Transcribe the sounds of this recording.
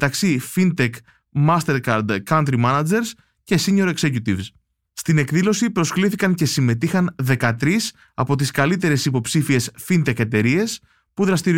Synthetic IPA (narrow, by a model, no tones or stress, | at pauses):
met̪ɐksifint̪e̞k | mɐst̪e̞ɾkɐɾd̪kɐnt̪ɾimɐnɐd͡ʒe̞ɾs | ce̞siɲo̞ɾekse̞cut̪ivs | st̪ine̞kðilo̞sipɾo̞skliθikɐɲce̞sime̞t̪ixɐnðe̞kɐt̪ɾis | ɐpo̞t̪iskɐlit̪e̞ɾe̞sipo̞psifie̞sfint̪e̞ke̞t̪e̞ɾie̞s | puðɾɐst̪iɾ